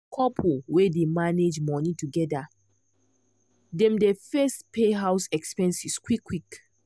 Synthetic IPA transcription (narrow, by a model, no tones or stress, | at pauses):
kʰɔpʰuwedemaned͡ʒmɔnituɡɛda | dɛ̃mdefɛstpeɦaʊsɛkspɛ̃nsiskwikʰːwik